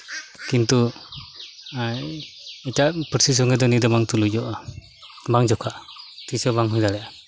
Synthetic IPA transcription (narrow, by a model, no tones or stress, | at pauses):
kint̪u | ɛtapʰɯɾsis̬ɔŋed̪ɔnid̪ɔmaŋt̪ulujd͡ʒɔʔa | baŋd͡ʒɔkʰaʔt̪isɔbaŋɦɔjdalɛ